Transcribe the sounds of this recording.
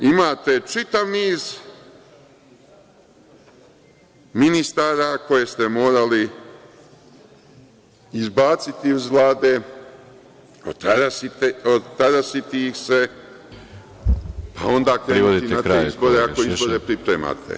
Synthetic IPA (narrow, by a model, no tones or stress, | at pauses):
imaːt̪e̞t͡ʃit̪aʋmiːz | minist̪aːɾako̞je̞st̪e̞mo̞ːɾali | izbaːt̪sit̪iuzʋlˠaːd̪e̞ | ot̪aɾasiot̪aɾasit̪ixse̞ | pao̞nd̪aːkɾeɾiod̪tiinatezbo̞ɾeako̞izbo̞ɾe̞pɾipɾeːma̰ːt̪ʰḛ